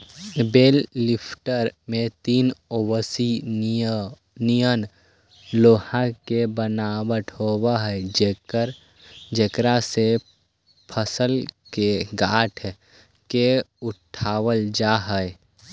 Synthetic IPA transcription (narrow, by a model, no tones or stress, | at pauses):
beːlːɪpʰʈəɾmẽt̪iːnobəsi | nijən | loːhãkebənaːwəʈʰɦowaɦ | ɾ | d͡ʒəkɾase | pʰəsəlkeɡaːʈʰ | keʊʈʰaːwəld͡ʒaːɦə